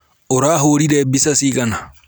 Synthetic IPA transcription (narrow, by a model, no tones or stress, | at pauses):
ʔɔɾaːɦoːɾidɛːbisɐsiːkɐnɐ